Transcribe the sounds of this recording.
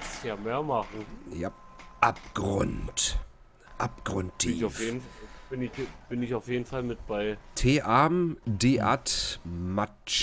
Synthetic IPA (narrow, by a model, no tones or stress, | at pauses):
jameːɐmaχ̩jaʔap̚ɡ̥ʁʊ̰nt | ʔap̚ɡ̥ʁʊnt̚d̥iaʊfjeːdn̩fab̥ɪnɪçb̥ɪnɪçaʊfjeːdn̩falmɪt̚b̥aɪtʰeːʔaːmdeːʔa̰tma | t͡ʃ